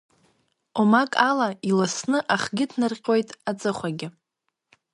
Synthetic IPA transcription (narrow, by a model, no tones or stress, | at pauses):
omakʼalailasnɨʔaχɡʲɪdʰnɨrqʲʼo̞jtʼat͡sʼɨχʷaɡʲɪ